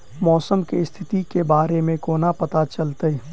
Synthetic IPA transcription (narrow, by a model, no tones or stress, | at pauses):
mɔːsəmkest̪ʰɪt̪ikebaːɾemẽkoːnapɐt̪at͡ʃɐlt̪əe